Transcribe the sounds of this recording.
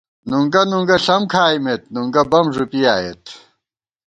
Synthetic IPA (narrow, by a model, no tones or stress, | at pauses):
nuŋɡɐnuŋɡɐɬɐmkʰaːimet̪̚nuŋɡɐbɐmʐupijaːjḛt̪